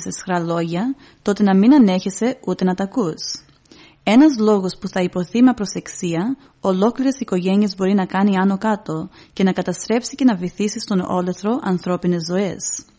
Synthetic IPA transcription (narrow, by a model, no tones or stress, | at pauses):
sesxɾɐlo̞ʝɐ | t̪o̞t̪e̞nɐminɐne̞çese̞ut̪e̞nɐt̪ɐkus | e̞nɐzlo̞ɣo̞spuθɐipo̞θimeɐpɾo̞se̞ksiɐ | o̞lo̞kliɾesiko̞ʝe̞niezbo̞ɾinɐkɐniɐno̞kɐt̪o̞ce̞nɐkɐt̪ɐst̪ɾe̞psice̞nɐvoiθisist̪o̞no̞̰le̞θɾo̞ʔɐnθɾo̞pine̞zːo̞e̞s